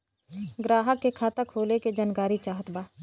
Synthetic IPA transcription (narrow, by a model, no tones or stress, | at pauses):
ɡɾaːɦəkːekʰaːt̪akʰːoːleked͡ʒaːnkaːɾit͡ʃaːɦət̪baː